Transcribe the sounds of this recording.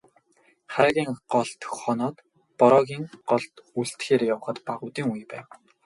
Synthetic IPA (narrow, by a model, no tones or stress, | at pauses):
χærɣʲiːŋɢɔɮt̪ʰɵ̥xχɔːnɔːt̪ | pɔɾɔːɣʲiːŋɢ̥ɔɮt̪uɮt̪xeːɾejawə̆χə̆t̪paʁʊːt̪iːŋujpæːw